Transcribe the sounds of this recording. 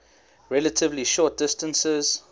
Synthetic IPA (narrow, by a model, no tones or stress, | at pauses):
ɹɛlətʰɪvliʃɔːˑt̚d̥ɪstə̃nsəz̥